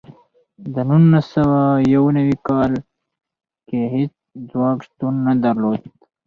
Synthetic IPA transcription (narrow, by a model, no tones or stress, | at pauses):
d̪ənunːasɐwajawnəwikɑːl | keɦit͡s | d͡zwɑːɡst̪unːad̪aɾloːd̪